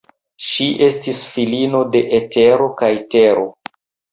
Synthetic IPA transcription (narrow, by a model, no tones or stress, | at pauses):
ʃiʔe̞stisfilino̞de̞ʔete̞ɾo̞kajte̞ɾo̞